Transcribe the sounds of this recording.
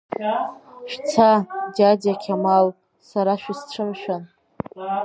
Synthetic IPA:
ʃᶣt͡sʰadadakʲʰamal | saɾaʃᶣisʈ͡ʂʰɨmʃᶣan

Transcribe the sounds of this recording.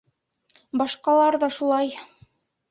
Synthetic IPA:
bɑʃqɑlˠɑɾðɑʃulˠɑj

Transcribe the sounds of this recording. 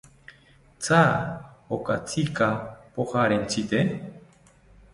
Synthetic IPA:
t͡saokat͡sikapoχaɾent͡sit̪e

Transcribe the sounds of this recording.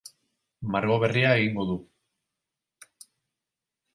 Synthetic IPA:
maɾɣo̞βe̞riae̞ɣiŋɡo̞ðu

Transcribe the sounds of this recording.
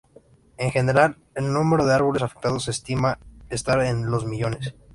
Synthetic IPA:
e̞ŋxe̞ne̞ɾal | e̞lnũme̞ɾo̞ðeaɾβolesafe̥k̚t̪að̞o̞sest̪imaest̪aɾenlo̞zmiʝo̞ne̞s

